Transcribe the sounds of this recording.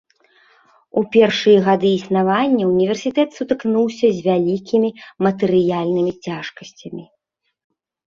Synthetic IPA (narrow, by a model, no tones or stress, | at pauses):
upʲɛrʂɨjɐɣad̪ɨisnavanʲːɐunʲivʲɛrsʲit̪ɛt̪sut̪ɨknuwsʲɐzʲvʲalʲikʲʰimʲimɐt̪ɨɾɨjalʲnɨmʲit͡sʲaʂkɐsʲt͡sʲɐmʲi